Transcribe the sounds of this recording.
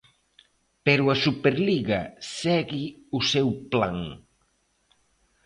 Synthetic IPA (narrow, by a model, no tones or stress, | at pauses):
peɾuɐsupeɾliɣɐsɛɣɪusewpla̰ŋ